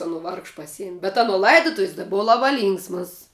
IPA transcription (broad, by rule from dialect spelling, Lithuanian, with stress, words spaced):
ɐˈnoː ˈʋɐrkʃ pɐˈsʲiɛmʲ bʲɛt ɐˈnoː lˠɐɪdoːˈtʊʋʲɪs tɐ ˈbʊʋɐ ˈlˠɑːbɐ ˈlʲiːŋksmɐs